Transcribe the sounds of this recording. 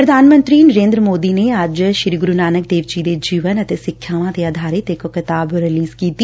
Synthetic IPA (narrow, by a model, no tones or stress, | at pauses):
ɾəd̪ʱaːnmə̃nt̪ɾiːnəɾẽːnd̪ɾəmoːd̪iːneəd͡ʒʃɪɾiːɡʊɾunaːnək̚d̪eːʋd͡ʒid̪eːd͡ʒiːʋənət̪eːsɪkʰːjaːʋãːt̪eaːd̪ʱaːɾɪt̪ɪkkɪt̪aːbɾɪliːzkiːt̪i